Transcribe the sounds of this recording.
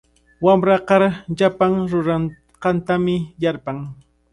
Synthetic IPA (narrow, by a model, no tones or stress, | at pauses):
wamɾɑqɑɾʎapaŋɾʊɾan | qɑnt̪amɪjaɾpaŋ